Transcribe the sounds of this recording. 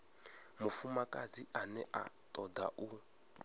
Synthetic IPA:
mufumakʼad͡ziʔanɛʔa̰tʼɔda̰ʔu

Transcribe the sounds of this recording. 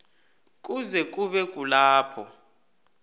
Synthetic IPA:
k̬ʼuzɛk̬ʼuɓɛk̬ʼulaːpʰɔ

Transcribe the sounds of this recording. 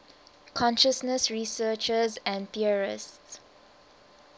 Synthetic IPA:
kʰɔ̃nʃəsnəsɹisəːt͡ʃəzɛ̃nθiəɹɪ̰sts

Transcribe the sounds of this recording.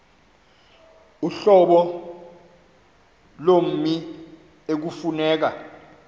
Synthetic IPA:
uɬɔɓɔ | lom̩mi | ek̬ufunɛːk̬a

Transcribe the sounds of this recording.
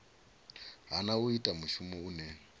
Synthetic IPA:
ɦanauitʼamuʃumɛunɛː

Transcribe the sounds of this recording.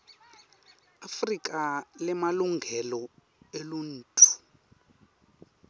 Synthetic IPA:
afrik̬ʼalɛmaluŋɡʱɛlɔ | elun̩ːtʰʼu̥

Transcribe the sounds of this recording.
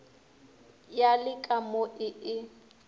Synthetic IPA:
jalɪkʼamoʔɪɪ

